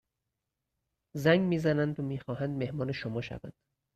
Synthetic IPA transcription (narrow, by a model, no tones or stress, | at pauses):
zæŋɡmiːzænænd̪omiːxɒːhænd̪me̞hmɒːne̞ʃomɒːʃæ̰væ̰nd̪̥